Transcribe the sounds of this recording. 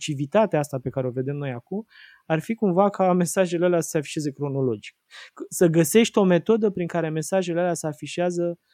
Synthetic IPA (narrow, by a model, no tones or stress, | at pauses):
t͡ʃivit̪at̪eaast̪ape̞kaɾeo̞ve̞d̪e̞mnojakum | arfikumvakame̞saʒelealeasə̥seafiʃieze̞kɾo̞no̞lo̞d͡ʒi̥k̚səɡəse̞ʃt̪ʲo̞me̞t̪o̞d̪əpɾiŋkaɾe̞me̞saʒe̞lealeasəafiʃiazə